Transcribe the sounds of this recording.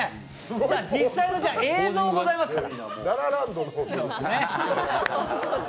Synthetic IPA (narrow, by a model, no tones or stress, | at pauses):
d͡ʑaːd͡ʑisːainod͡ʑaeːzo̞ːɡo̞zaimasɨkkaɾanaɾaɾãnd̪onsoneoɾ